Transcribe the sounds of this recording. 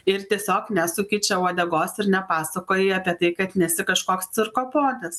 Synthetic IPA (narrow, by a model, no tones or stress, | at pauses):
ɪɾt̪ʲiɛsʲoːknʲɛsʊkʲɪt͡ʃʲɛʊɐd̪ʲɛɡoːsɪɾnʲɛpɑːsɐkoːjɪɐpʲiɛt̪ɐɪkɐt̪nʲɛsʲɪkɐʃkoːkst̪sʲɪɾkoːpoːd̪ɐs